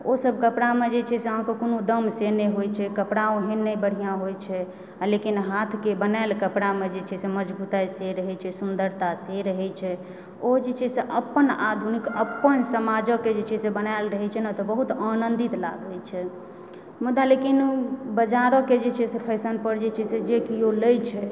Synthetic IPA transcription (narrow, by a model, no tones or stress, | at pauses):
osəbʱkəpɽamed͡ʒet͡ʃʰɛseəɦãkekonod̪əmseneɦojt͡ʃʰɛkəpɽaoɦenːɛjbəɽ̤ijãɦojt͡ʃʰɛ | alekinɦat̪ʰkebənaelkəpɽamed͡ʒet͡ʃʰɛseməd͡ʒbut̪ajseɾəɦɛt͡ʃʰɛsund̪əɾt̪aseɾəɦɛt͡ʃʰɛ | od͡ʒet͡ʃʰɛseʔəpːənad̪ʱunikəpːənsəmad͡ʒəked͡ʒet͡ʃʰɛsebənaɪlɾəɦɛt͡ʃʰɛnat̪ɔbəɦut̪anənd̪it̪la̰ɡɛlt͡ʃʰɛ | mud̪alekinbəd͡ʒaɾɔked͡ʒet͡ʃʰɛsepʰəjsənpəɾd͡ʒet͡ʃʰɛsed͡ʒekioləjt͡ʃʰɛ